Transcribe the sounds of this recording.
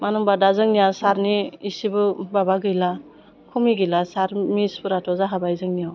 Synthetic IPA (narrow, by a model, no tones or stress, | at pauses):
manɯŋbadazɯŋnijasaɾniːsibɯbabaɡɯjla | kʰumiɡɯjlasaɾmispɯɾatʰɔzaɦabajzɯŋnijaw